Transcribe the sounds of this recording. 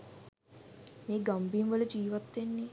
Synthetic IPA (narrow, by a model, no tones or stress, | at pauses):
meːɡambimʋələd͡ʒiːʋat̪ːʋenːi